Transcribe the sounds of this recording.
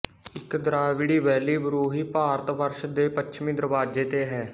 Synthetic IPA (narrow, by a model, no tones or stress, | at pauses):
ɪkd̪əɾaːʋɪɽiːʋɛːliːbəɾuːɦiːpaːɾət̪ʋəɾʃd̪eːpətːʃʰmĩːd̪əɾbaːd͡ʒeːt̪eːɦɛː